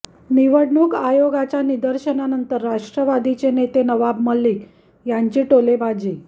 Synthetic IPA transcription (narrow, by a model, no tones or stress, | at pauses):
niʋəɽɳuːkajoɡat͡ɕanid̪əɾɕənanənt̪əɾːaʂʈɾəʋad̪it͡ɕenet̪enəʋabməlːiːk | jaɲt͡ɕiːʈolebad͡ʑiː